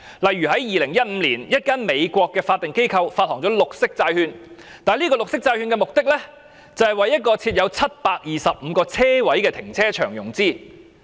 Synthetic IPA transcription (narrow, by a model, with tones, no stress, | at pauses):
lɐ˨jɥyː˨˩hɐ˨˥jjiː˨lɪ˨˩ŋjɐ˥t̚m̩ː˨˧liː˨˩njɐ˥t̚kaː˥nme˨˧jkʷɔː˧kːɛː˧faː˧t̪ɪ˨ŋke˥jkʰɐ˧wfaː˧t̚hɔː˨˩ŋt͡sɔ˨˥lʊ˨k̚sɪ˥k̚t͡saː˧jhyː˧nt̪aː˨nliː˥kɔː˧lʊ˨k̚sɪ˥k̚t͡saː˧jhyː˧nkɛ˧mʊ˨k̚t̪ɪ˥k̚lɛ˥ | t͡sɐ˨hɐ˨jwɐ˨jɐ˥t̚kɔː˧t͡sʰiː˧t̚jɐ˨˧wt͡sʰɐ˥t̚paː˧k̚jiː˨sɐ˨p̚m̩ː˨˧kɔː˧t͡sʰɛː˥wɐ˨˥jkɛː˧t̪ʰɪ˨˩ŋt͡sʰɛː˥t͡ʃʰœ̰ː˨˩ŋjʊ˨˩ŋt͡siː˥